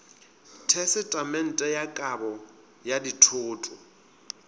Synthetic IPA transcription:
tʰɛsɪtʼamɛn̩tʼɛjakʼabɔ | jaditʰʊːtʼʊ

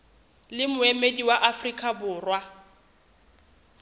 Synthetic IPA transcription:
lɪmʊemediwaʔafrikʼabʊːrwa

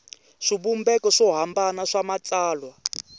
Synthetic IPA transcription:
ʂibumbɛkɔʂɔɦambanaʂamat͡saːlwa

